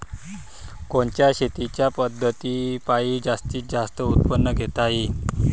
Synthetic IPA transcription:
koɳt͡ɕjaɕet̪it͡ɕjapəd̪ʱːət̪iːpaiːd͡zast̪iːt̪̚d͡zast̪əut̪̚pənːəɡʱet̪aɦi

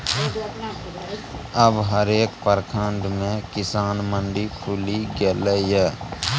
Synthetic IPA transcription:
əbɦəɾeːkpəɾkʰəɳɖmẽkɪsaːnməɳɖipʰuːliɡeːlejɛː

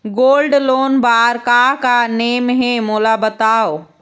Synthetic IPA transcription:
ɡoːlɖloːnbaːɾkakaneːmɦemoːlabɐt̪aːo

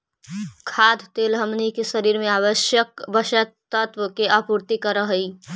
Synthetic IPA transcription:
kʰad̪ʱt̪elɦəmnikesəɾiɾmẽaʋəʃjəkbəʃək̚t̪ət̪ʋəkeʔəpuɾt̪ikəɾəɦəi

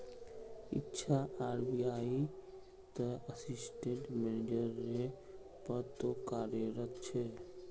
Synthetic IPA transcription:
ɪ̰tːʃʰaaːɾbijaːi | t̪əəsɪsʈeɳʈmened͡ʒəɾe | pəɾt̪okaːɾjəɾət̪t͡ʃʰɛː

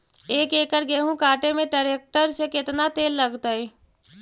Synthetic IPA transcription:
eːkeːkəɾɡeːɦũkaːʈemẽʈəɾeːk̚ʈəɾsekɪt̪nat̪eːlːɐɡt̪aɦɛ

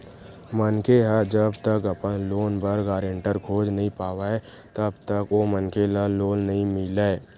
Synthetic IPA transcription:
mənkeɦəd͡ʒəbt̪əkɐpənloːnbəɾɡaːɾeɳʈəɾkʰoːd͡ʒnəɦĩpaːwaɛ | t̪əbt̪əkomənkelaloːnːɐɦĩmɪlae

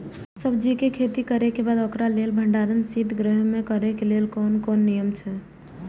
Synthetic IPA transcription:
səbd͡ʒikekʰet̪ikəɾekebad̪okɾalelbʱəɳɖaɾənsid̪ɡɾəɦmekəɾɛkelelkonkonːijəmt͡ʃʰɛ

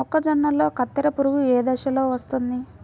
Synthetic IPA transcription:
ɔkːɐd͡ʒɐɳːɐlo̞ːkɐt̪ːɐɾɐpuɾuɡueːd̪ɐʃɐlo̞ːʋɐst̪und̪i

